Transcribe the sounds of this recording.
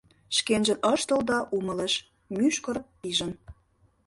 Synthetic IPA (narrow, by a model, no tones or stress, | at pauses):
ʃkenʒə̆nʔəʃt̪ə̆ld̪ɑʔumə̆leʃ | myʃkə̆ɾ | iʒə̆n